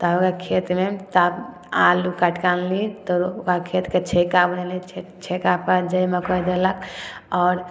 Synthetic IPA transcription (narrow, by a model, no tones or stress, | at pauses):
t̪aokakʰet̪met̪ab | a̰lukəʈkanlit̪ɔokakʰet̪ket͡ʃʰekabənelit͡ʃʰet͡ʃʰekapəd͡ʒəjməkʰod̪eləkɔːɾ